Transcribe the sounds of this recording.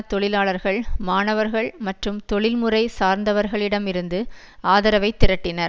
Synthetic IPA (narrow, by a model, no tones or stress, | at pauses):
t̪ɔɭɪlaːɭɐɾɣɐɭmaːnɐʋɐɾɣɐɭmɐʈrɯmt̪ɔɭɪlmɯrɐɪsaːɾnd̪ɐʋɐɾɣɐɭɪɽɐmɪɾɯnd̪ɯ | aːðɐɾɐʋɐɪt̪ːɪɾɐʈːɪnɐɾ